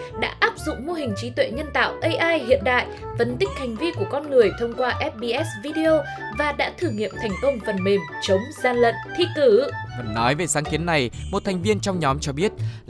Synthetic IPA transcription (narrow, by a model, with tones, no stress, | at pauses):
ɗa̰ː˧˥ʔaː˦˥p̚zʊ̰˧˨ŋ͡mmo˧ɦï˨˩ŋ̟t͡ɕi˨˦t̪wḛ˧˨ɲə˧nt̪a̰ː˧˨wʔə˧jʔaː˧jhḭ˧˨ənɗa̰ː˧˨jfə˧˩nt̪ï˦˥k̟̚ha˨˩jŋ̟vi˧ku˧˩əkɔ˧nŋɨ˨˩əjt̪ʰə˧wŋ͡mkwaː˧ʔɛ˦˥p̚ɓi˧ʔɛ˦˥svi˧ɗi˧ʔo˧ | vaː˨˩ɗa̰ː˧˥t̪ʰɨː˨˩ŋḭ˧˨əmt̪ʰɛ˨˩jŋ̟kə˧wŋ͡mfə˨˩nme˨˩mt͡ɕə˨˦wŋ͡mzaː˧lə̰˧˨nt̪ʰi˧˥kɨ˨˩˦və˨˩nnːɔ˨˦jve˨˩saː˨˦ŋki˨˦ənːa˨˩jmo˨˩t̚t̪ʰɛ˨˩jŋ̟vi˧ənt͡ɕɔ˧wŋ͡mɲɔ˨˦mt͡ɕɔ˧ɓi˦˥ət̚